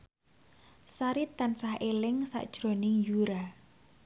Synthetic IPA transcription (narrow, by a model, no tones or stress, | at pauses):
saɾit̪ansahelɪŋsa̰ʔd̥ʒ̥ɾonɪŋjuɾa